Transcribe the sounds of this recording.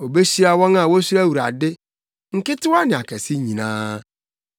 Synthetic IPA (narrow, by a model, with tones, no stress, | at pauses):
o˨be˦si˦ɾa˦wɔ̃˦ŋa˦˨wo˦si˦ɾa˦˨wu˨ɾa̰˨dɪ˦ | ŋ̩˨kɪ˦tʊ˦a˦nɪ̃˨a˨kɛ˨si˦ɲĩ˨nãː˦